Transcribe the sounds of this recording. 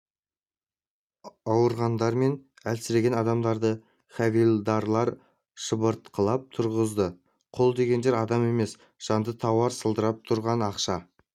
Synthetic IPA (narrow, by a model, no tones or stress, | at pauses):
ɑwəɾʁɑnd̪ɑɾme̞n | ælsɪɾeɡʲenɑd̪ɑmd̪ɑɾd̪ə | χɑvijlˠd̪ɑɾlˠɑɾ | ʃəbəɾt̪qʰəlˠɑp̚t̪ʰʊɾʁəzd̪ə | qʰo̞lˠd̪e̞ɡʲe̞nd̪eɾɑd̪ɑme̞me̞s | ʒ̥ɑnd̪ət̪ʰɑwɑɾsəlˠd̪əɾɑp̚t̪ʰʊɾʁɑnɑqʃɑ